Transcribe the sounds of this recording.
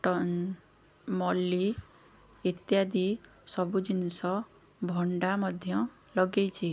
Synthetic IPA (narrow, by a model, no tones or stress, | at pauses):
ʈɔ | mɔli | it̪jad̪i | sɔbud͡ʒinsɔ | bʱɔɳɖamɔd̪ʱjɔ | lɔɡejt͡ʃʰi